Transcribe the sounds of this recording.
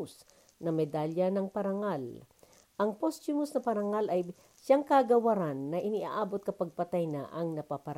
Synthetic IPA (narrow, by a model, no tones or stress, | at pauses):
s | nɐmɛd̪aljɐnɐŋpɐɾɐŋal | ʔɐŋpost͡ʃʊmʊsnɐpɐɾɐŋalʔɐj | ʃaŋkaɡɐwɐɾanːɐʔɪniʔa̰ʔaːbot̪̚kɐpɐɡ̚pɐt̪ajna̰ʔɐŋnɐpapɐɾ